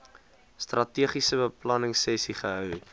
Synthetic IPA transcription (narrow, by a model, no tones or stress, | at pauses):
strʔɐtiəχisəbəplɐnəŋsɛsiχəɦœw